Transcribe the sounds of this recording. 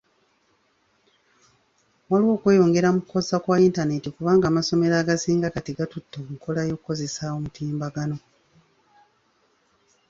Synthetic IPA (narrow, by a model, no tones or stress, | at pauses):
waliwo̞ːkwe̞ːjo̞ŋɡe̞ɾamukuko̞zakwaintane̞tikuβaːŋɡaːmaso̞me̞ɾaːɡasiːŋɡakatiɡatutːoːkuŋko̞lajo̞kuko̞ze̞sawomutʰiːmbaɡano̞